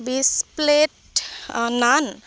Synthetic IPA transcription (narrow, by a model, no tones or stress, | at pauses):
bispleʈ | nan